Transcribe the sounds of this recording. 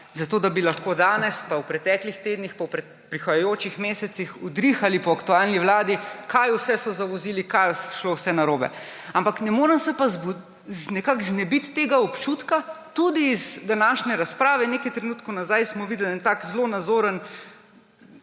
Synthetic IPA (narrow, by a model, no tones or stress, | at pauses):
zɐt̪oːd̪abilɐxkod̪aːnɛspawpɾɛt̪ɛːklixt̪eːd̪nixpawpɾɛ | pɾixɐjajoːt͡ʃixmeːsɛt̪sixɔd̪ɾixalipɔɐkt̪ualniʋlaːd̪ikʰajʊsɛsɔzaʋɔziːlikajsʃlowsɛnaɾoːbɛ̰ | ampaknɛmoːɾəmsɛpazbu | znɛkakznɛbit̪ːeːɡaɔpt͡ʃut̪kat̪ud̪iːzd̪anaːʃnɛɾaspɾaːʋɛnekajt̪ɾɛnuːt̪kɔnazajsmɔʋid̪ɛlɛnt̪aːkzlonad̪zoːɾən